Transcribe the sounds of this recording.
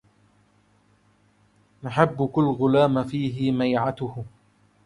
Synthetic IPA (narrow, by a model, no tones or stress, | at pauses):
naħabːʊkʊlːɣʊlaːmfiːɦɪmajʕat̪ʊh